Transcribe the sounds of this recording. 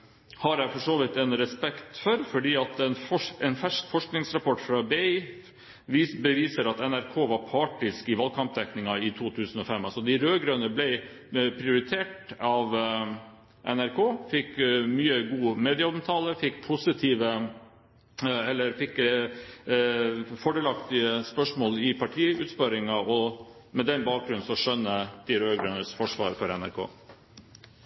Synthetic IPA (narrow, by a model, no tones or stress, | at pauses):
hɑɾæɪfɔʂoːʋɪt̪ɛnɾɛspɛkt̪fɔɾfɔɖiːɑt̪ɛnɔɛnfæʂkfɔʂknɪŋsɾɑpʰɔʈfɾɑbɛɪ | bəʋiːsəɾɑt̪ɛnæɾkʰoːʋɑɾpʰɑːʈɪskɪʋɑːlkʰɑmp̚d̪ɛknɪŋɑɪt̪ʰuːt̪ʰʉːsən̩ɔfɛmɑlsɔd̪ɪɾøːɡɾøːnəblɛɪ | pʰɾɪʊɾɪt̪ʰeːʈɑʋ | ʔɛ̰næɾkʰoːfɪkmyːəɡuːmeːd̪ɪɑɔmt̪ʰɑːləfɪkːpʰʊsɪt̪ʰiːʋə | ɛlːəɾfɪkː | fɔɖɛːlɑk̚t̪ɪəspœʂmoːlɪpʰɑʈʰiːʉ̰ːt̪spɑɾɪŋɑɔmɛd̪ɛnbɑːk̚ɡɾʉn̩sɔʂœnːəd̪̥ɪɾøːɡɾønəsfɔʂʋɑ̰ːɾfɔɾɛnæ̰ɾkʰo̰ː